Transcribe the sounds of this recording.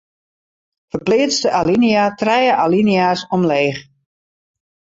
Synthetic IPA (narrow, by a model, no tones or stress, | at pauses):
fərplɪːt͡stəʔaliniatrɛjəʔaliniasɔmleːx